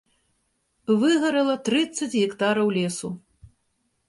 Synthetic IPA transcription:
vɨɣɐɾɐlˠɐt̪ɾɨt̪sːɐt͡sʲɣʲikt̪aɾɐwlʲɛsu

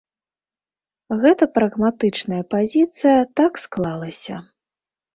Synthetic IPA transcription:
ɣɛt̪ɐpɾɐɣmat̪ɨt͡ʂnɐjɐpazʲit̪sɨjɐt̪aksklˠalˠɐsʲɐ

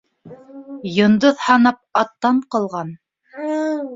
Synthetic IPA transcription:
jŏnd̪oðhɑnɑp̚ɑt̪ːɑɴqɤ̆lˠʁɑn

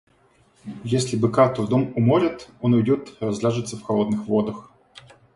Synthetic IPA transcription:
jesʲlʲɪbɨkat̪ʊvd̪omʊmoɾʲɪt̪onʊjdʲot̪rɐzlʲaʐɨt̪səfxɐlˠo̞d̪nɨxvo̞d̪əx

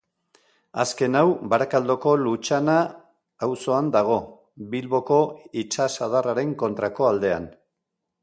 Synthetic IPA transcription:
aske̞nawbaɾakald̪o̞ko̞lut͡ʃanaː | wso̞and̪aɣ̞o̞ | βilβo̞ko̞it͡ʃasaðaraɾe̞ŋko̞nt̪ɾako̞ald̪e̞a̰n

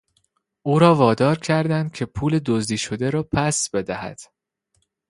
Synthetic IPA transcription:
ʔuːɾɒːvɒːd̪ɒːɾcʰæɾd̪ænd̪̚cʰe̞pʰuːle̞d̪ozd̪iːʃo̞d̪eɾɒːpʰæsb̥e̞d̪æhæ̰d̪̥

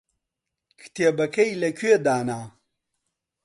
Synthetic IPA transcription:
kʰt̪ʰebɐkɐjlɐkʰwed̪aːnaː

